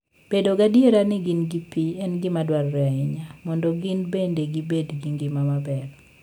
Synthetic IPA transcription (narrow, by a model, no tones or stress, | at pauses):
b̥edoɡadjeɾanɪɡɪnɡipiɛnɡɪmadwarːɛɪɲamɔndɔɡɪnbendeɡibedɡinɡɪmamabɛɾ